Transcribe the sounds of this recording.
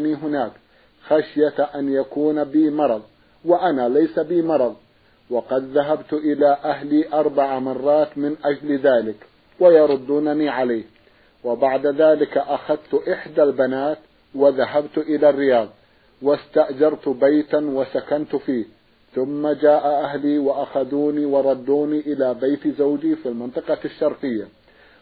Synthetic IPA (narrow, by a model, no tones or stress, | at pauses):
niːɦʊnaːk | xaʃjaʔanjakuːnbɪmɑɾˤɑðˤ | waʔanaːlajsabɪmɑɾˤɑðˤ | wɑqɑd̪ðaɦabt̪ʔɪlaːʔahliːʔɑɾˤbaʕamɑrˤːɑːt̪mɪnʔad͡ʒlðaːlɪk | wajɑɾˤʊd̪ːuːnaniːʕalajh | wɪbaʕd̪aðaːlɪkaʔaxaðt̪ʔɪħd̪albanaːt̪ | waðaɦabt̪ʔɪlarːɪjɑːðˤ | wast̪aʔd͡ʒɑɾˤt̪bajt̪awasakant̪ʊfiːh | θʊmːad͡ʒaːʔaʔahliːwaʔaxaðuːniːwɑɾˤɑd̪ːuːniʔɪlaːbajt̪zawd͡ʒifiːlmɪnt̪ˤɨqɑʃːɑɾˤqɪjːa